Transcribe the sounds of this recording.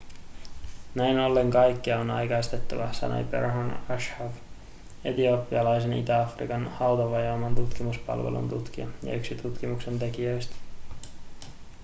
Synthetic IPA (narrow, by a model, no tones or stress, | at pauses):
næjno̞lːe̞ŋkɑjkːiɑonɑ̰jkɑjst̪e̞t̪ːɑʋɑsɑ̰nʔḛjpḛrɦonɑʃhɑv | e̞̰t̪iopːiɑlɑjse̞nit̪æɑfrikɑnhɑwt̪oʋɑjɑːmɑnt̪ut̪kimuspɑ̰lʋḛlʔṵnt̪ut̪k̟iɑ̰jɑ̰yksit̪ut̪kimukse̞nt̪e̞kiøjst̪